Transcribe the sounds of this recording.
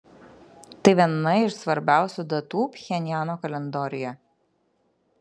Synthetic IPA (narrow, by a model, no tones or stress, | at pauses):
t̪ɐɪʋʲiɛnːɐɪʃsʋɐɾʲbʲæˑʊsʲud̪ɐt̪uːpʲxʲɛnʲjæːnoːkɐlʲɛnd̪ɔɾʲɪjɛ